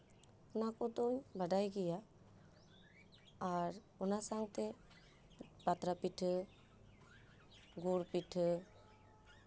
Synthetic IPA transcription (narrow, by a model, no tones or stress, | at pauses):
ɔnakɔd̪ɔɲbaɖajɡɛja | ɾ | ɔnasaŋt̪ɛ | bat̪ɾapiʈʰ | ɡuɾpiʈʰ